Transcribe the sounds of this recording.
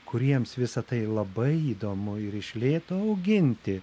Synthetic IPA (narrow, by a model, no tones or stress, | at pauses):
kʊɾʲiɛmsʋʲɪsɐt̪ɐɪlˠɐbɐɪiːd̪oːmʊɪɾɪʃʲlʲeːt̪oːɐʊɡʲɪnʲt̪ʲɪ